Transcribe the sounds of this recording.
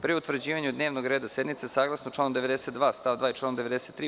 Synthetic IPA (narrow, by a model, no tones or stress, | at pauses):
pɾiut̪ʋr̩d͡ʑiːʋaɲud̪neʋnoɡɾe̞ːd̪ase̞d̪mit̪sesaːɡlˠasnot͡ʃlaːnomd̪eʋe̞d̪eset̪d̪ʋaːst̪aːʋd̪ʋaːit͡ʃlaːnomd̪eʋe̞d̪eset̪ːɾiː